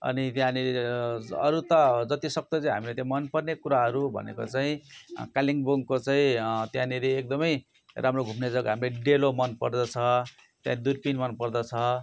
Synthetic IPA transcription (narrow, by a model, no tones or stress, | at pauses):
ʌ̰nit̪jãniɾeʌ̰ɾut̪ʌd͡zʌt̪isʌk̚t̪ʌt͡saĩɦamilet̪jãmʌnpʌrnekuɾaɦʌɾubʱʌ̰nḛkot͡saĩkaliŋboŋkot͡saĩt̪jãniɾeːk̚d̪ʌmʌj | ɾamroɡʱumned͡zʌɡɦamleɖelomʌnpʌrd̪ʌt͡sʰʌ | t̪jã̰id̪urpinmʌnpʌrd̪ʌt͡sʰʌ